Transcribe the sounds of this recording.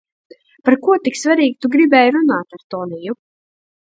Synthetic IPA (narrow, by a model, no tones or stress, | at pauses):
paɾkuɔt̪iksvaɾiːɡ̚t̪uɡɾibɛːjɾunaːt̪aɾt̪ɔːniju